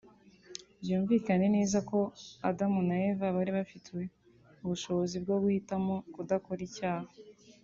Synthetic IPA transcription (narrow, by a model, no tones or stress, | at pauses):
bjuːɱviːkane̞ne̞ːzako̞adamunajevaβaɾiβafitwe̞ | uβuʃo̞βo̞zibɡo̞ɡuhitamo̞kudako̞ɾicaːha